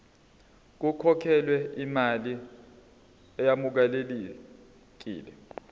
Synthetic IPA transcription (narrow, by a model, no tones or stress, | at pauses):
k̬ukʰɔkʰɛlwɛimali | ɛjamuk̬aleli | k̬ḭːlɛ